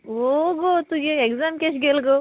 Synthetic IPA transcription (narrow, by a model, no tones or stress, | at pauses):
oɡot̪uɡeekzaːmkeʃ̬ɡelɡo